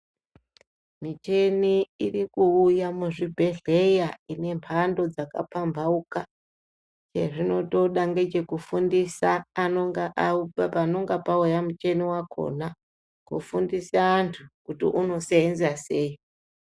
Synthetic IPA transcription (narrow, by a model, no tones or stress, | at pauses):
mit͡ʃe̞niirikuujamuʐibʱe̞ɮe̞jaine̞mpʰando̞d͡zaka̰pambʱauka | t͡ʃe̞ʐino̞to̞ɗaŋɡed͡ʒe̞kufundisaːo | pano̞ŋɡapaujamut͡ʃe̞niwakʰo̞̰na | kṵfundisaantʰukutḭʔuno̞seenzaseːi